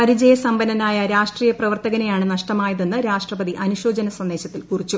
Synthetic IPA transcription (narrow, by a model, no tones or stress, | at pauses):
pɐɾid͡ʑɐjɐsɐmbɐnːɐnaːjɐɾaːʂʈriːjɐprɐʋɐrt̪ɐɣɐnejaːɳɨnɐʂʈɐmaːjɐðenːɨɾaːʂʈrɐbɐd̪iʔɐnuɕo̞ːd͡ʑɐnɐsɐnd̪e̞ːɕɐt̪ːilkurit͡ɕːu